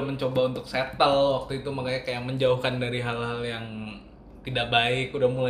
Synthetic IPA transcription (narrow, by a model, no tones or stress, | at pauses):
aməɲt͡ʃobaunt̪ʊkset̪əlwak̚t̪uit̪umakajɲakajaməɲd͡ʒauhkandaɾiɦalɦaljaŋ | t̪idaʔ̚baɪkudahmula